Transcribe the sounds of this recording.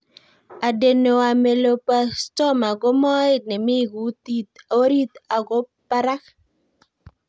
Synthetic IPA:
a˨de˨no˨a˨me˨lo˨pa˦˨stɔ˦ma˨ɡo˦mɔ˦e˦nɛ˨mɪ˦ɡu˨˦t̪i˦t̪a˨o˦ɾi˦t̪a˨ɡo˦pa˦ɾa˦k

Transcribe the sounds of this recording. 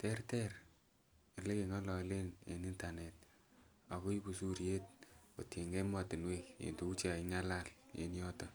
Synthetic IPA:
tɛ˦rtɛ˦r | e˨le˦ke˨ŋa˦lɔ˨˦le˦nḛ˨ni˦nta˨nɛ˨t̚ | a˨ko˦i˦bu˨su˦ɾje˦t̚o˨tje˨ŋɡe˦mwa˨tɪ˨nwe˦kjḛ˨nto˦u˦t͡ʃa˨i˨ŋa˦la˦ljḛ˨˦njɔ˦ta˦

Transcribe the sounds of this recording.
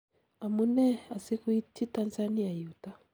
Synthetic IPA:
a˨mu˦nɛ˦a˨si˦ku˦i˦tʰi˦ta˦nza˦ni˦a˨i˨u˨ta˦

